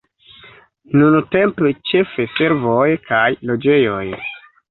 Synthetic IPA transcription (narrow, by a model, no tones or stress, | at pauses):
nunte̞mpet͡ʃe̞fese̞ɾvojkajlo̞d͡ʒe̞jo̞̰j